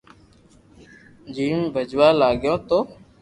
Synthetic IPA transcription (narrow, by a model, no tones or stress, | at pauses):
d͡ʒiːmbʱəd͡ʒʋaːlaːɠjõːt̪oː